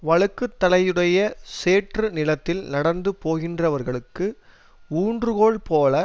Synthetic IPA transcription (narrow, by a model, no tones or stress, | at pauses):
ʋɐɭɯkːɯt̪ːɐlɐjɯɽɐjɐseːʈrɯnɪlɐt̪ːɪlnɐɽɐnd̪ɯpoːɣɪndrɐʋɐɾɣɐɭɯkːɯ | uːɳdrɯɣoːɭpoːlɐ